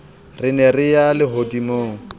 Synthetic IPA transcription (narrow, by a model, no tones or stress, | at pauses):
rɪnɛrɪjalɪɦodimoːŋ̩